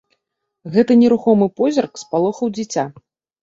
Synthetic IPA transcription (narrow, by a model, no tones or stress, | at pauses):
ɣɛt̪ɨnʲɛɾuxɔmɨpɔzʲɐrkspalˠɔxɐwd͡zʲit͡sʲa